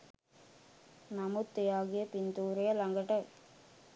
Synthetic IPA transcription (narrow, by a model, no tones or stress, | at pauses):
nɐmut̪ːɪjaːɣɪjɐpɪnd̪uːɾɐjɐlɐŋɡɐʈːɐ